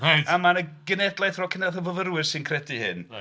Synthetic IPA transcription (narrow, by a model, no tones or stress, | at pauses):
aamanəɡ̥ənɛdlˠajθrɔkʰɪnaθəvəvərwɪrsɨnkʰrɛdihɪ̰n